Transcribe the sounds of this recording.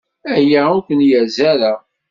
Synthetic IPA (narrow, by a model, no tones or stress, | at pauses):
æjaukʷənjæzæɾa